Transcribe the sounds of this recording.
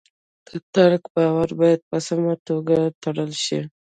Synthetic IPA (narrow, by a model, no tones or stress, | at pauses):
d̪̥ət̪aɾkbɑwaɾbɑjad̪̚pəsamat̪oɡat̪aɽəlʃḭ